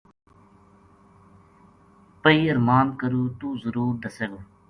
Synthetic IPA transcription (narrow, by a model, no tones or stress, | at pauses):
pəiːəɾmaːnkəɾuːt̪uːzəɾuːɾd̪əseɡoː